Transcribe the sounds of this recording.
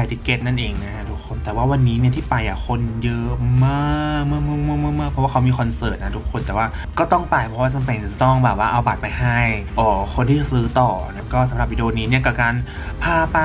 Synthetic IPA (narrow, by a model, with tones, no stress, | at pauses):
a˨˩jt̪iː˧˩ke˧˦˥t̪̚na˥˩nʔeː˧ŋna˦˥kʰa˦˥t̪ʰu˦˥kʰːo˧nt̪ɛː˨˩waː˥˩wa˧nːiː˦˥ni˥ɐt̪ʰiː˥˩pa˧jʔa˨˩kʰo˧njɤ˦˥ma˥˧˩kmɯ˥˩˨mɯː˥˩˨mɯ˥˩˨mɯː˥˩˨mɯː˥˩k̚ʰɔ˦˥waː˥˩a˦˥wmiː˧kʰɔ˧nsɤː˨˩t̪̚na˦˥t̪ʰu˦˥kʰːo˧nt̪ɛː˨˩waː˥˩ | kɔː˥˩t̪ɔ˥˩ŋpaː˨˧˩jpʰɔ˦˥waː˥˩t͡ɕa˧mpe˧n˩a˨˩t̪ɔ˥˩ŋbɛː˨˩p̚waː˥˩ʔa˧wbaː˨˩t̪̚pa˧jha˥˩jʔɔː˨˩kʰo˧nt̪ʰiː˥˩sɯː˦˥t̪ɔː˨˩na˦˥kɔː˥˩sa˨˦mɾa˨˩p̚wi˧e˧o˧niː˦˥ni˥˩ɐkɔː˨˩kaː˧n | pʰaː˥˩pa˧